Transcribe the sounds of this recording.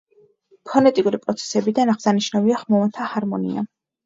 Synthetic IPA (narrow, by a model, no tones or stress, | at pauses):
pʰɔnɛt̪ʼikʼuɾipʼɾɔt̪sʰɛ̥sɛbid̪anaχsaniʃnaviaχmɔvant̪ʰahaɾmɔnḭa̰